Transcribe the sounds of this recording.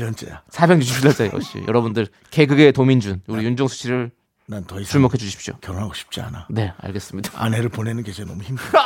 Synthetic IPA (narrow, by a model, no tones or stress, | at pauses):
ʌnt͡ɕ͈ḛjasʰabjeŋd͡ʑuɕ̬ʰipʰilːad͡ʑajo̰o̰ɕ͈ḭjʌ̰ɾʌbundɯɭ | ke̞ɡɯɡe̞tomind͡ʑunuɾijund͡ʑʌŋsʰu̥ɕʰiɾɯɭ | nantʌit͡ɕʰuɭmokʰed͡ʑuɕʰɕʰi̥p̚ɕ͈o̰kjʌɾonɦaɡoɕʰi̥p̚t͡ɕ͈ia̰nane̞a̰ɭɡe̞s͈ɯmɲidḁa̰ne̞ɾɯɭponenɯnkesʰonʌmuçimɡ